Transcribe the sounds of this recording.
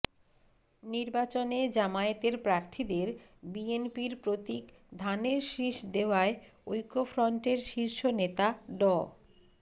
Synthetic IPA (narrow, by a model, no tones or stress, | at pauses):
niɾbat͡ɕoned͡ʑamaet̪eɾpɾaɾt̪ʰid̪eɾbienpiɾpɾot̪ik | d̪ʱaneɾʃɾiʃd̪eoaeojkofɾɔɳʈeɾʃiɾʃonet̪aɖɔ